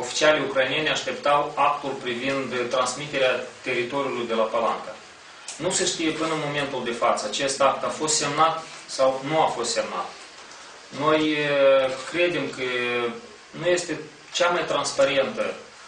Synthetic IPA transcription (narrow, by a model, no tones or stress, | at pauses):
o̞fi̥t͡ʃialejukɾajinije̞nʲeaʃt̪e̞pt̪awak̚t̪ulpɾivind̪t̪ːɾansmit̪e̞ɾeat̪e̞ɾit̪o̞ɾʲjulujd̪e̞lapala̰ŋɡ̪a | nuseʃt̪ije̞pɨnəmo̞me̞nt̪uld̪e̞fat̪səat͡ʃe̞st̪ak̚t̪afo̞st̪se̞mnat̪sawnuafo̞st̪se̞mna̰t̪ | no̞j | kɾe̞d̪e̞mkə | nuje̞st̪e̞ | t͡ʃamajt̪ɾanspaɾe̞nt̪ə